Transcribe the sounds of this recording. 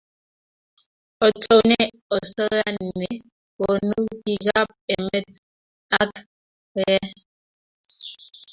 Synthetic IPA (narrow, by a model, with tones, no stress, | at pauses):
ɔ˨t͡so˨nɛ˦ | ɔ˨sə˦ɣa˦nː˨e˨ | woɔ˨nu˦ki˨ɣa˦p̚e˨me˦t̚ | a˦k | ɣɛ˦